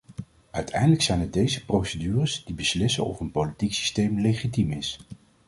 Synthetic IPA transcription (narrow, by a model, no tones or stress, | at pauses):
œɥtʰɛjndələksɛjnɛt̚dejzəprowsədyːrəsdibəslɪsə̰nɔ̰fənpowlitiksi̥stejmlejχitimɪs